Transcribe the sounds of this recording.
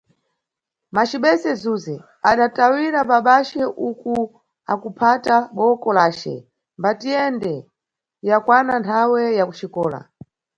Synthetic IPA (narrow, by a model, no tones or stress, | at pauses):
mat͡ʃiɓɛsɛzuzɛ | aɗatawiɾapaɓat͡ʃɛʔuku | a̰kupʰataɓɔkɔlaːt͡ʃɛ̰ | mbatijɛndɛ | jakwanantʰawɛjakut͡ʃikɔːla̰